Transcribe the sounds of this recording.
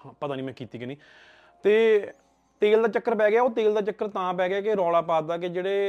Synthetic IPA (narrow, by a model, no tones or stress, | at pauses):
pət̪aːnĩːmɛ̃ːkiːt̪iːkəniː | t̪eː | t̪eːld̪aːt͡ʃəkːəɾpɛːɡeaːoːt̪eːld̪aːt͡ʃəkːəɾt̪ãːpɛːɡeaːkeɾɔːlaːpaːd̪aːked͡ʒeːɽeː